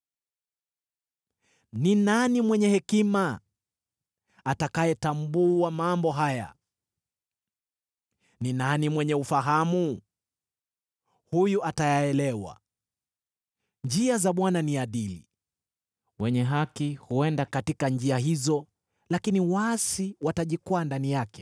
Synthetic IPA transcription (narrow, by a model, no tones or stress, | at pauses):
ninanimwɛɲɛhɛkima | takajɛtambuamambɔɦaja̰ | ninanimwɛɲɛufaɦamu | hujuʔatajaɛlɛwa̰ | ɲd͡ʒiazaɓwananiaɗilḭ | wɛɲɛɦakihuɛndakatikand͡ʒiaɦizɔ | lakiniwasiwataʄikwandanijakɛ̥